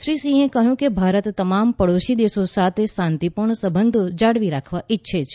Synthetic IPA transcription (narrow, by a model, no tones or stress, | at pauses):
ʃɾisĩɦẽkəɦjũkebʱaɾət̪ːəmampəɽoʃid̪esosat̪ʰesant̪ipuɾɳsəbənd̪ʱod͡ʒaɽʋiɾakʰʋaʔɪtːʃʰet͡ʃʰe̥